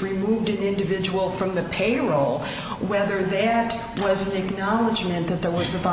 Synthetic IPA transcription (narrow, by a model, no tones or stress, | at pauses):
ɹimuvdɨ̃nɪ̃ndɨvɪd͡ʒəwl̩ˠfɹʌ̃mðɨpʰeɪɹlˠ | wɛðə˞ðɨt̚ | wʌz̃n̩ɨknɑlˠəd͡ʒmɨ̃nðɨt̪̚ðə˞wʌzɨva